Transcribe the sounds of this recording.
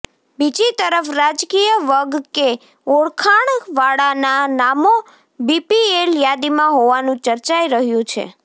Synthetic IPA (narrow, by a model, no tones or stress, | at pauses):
bid͡ʒit̪əɾəfɾad͡ʒkijəʋəɡke | oɽkʰaɳʋaɽananamo | bipieljad̪imãɦoʋanũt͡ʃəɾt͡ʃaiɾəɦjũt͡ʃʰḛ